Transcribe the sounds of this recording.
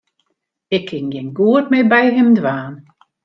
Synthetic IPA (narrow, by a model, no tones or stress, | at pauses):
ɪkʰːɪŋjɪnɡuət̚mɪbɛjɦɪmdʋaːn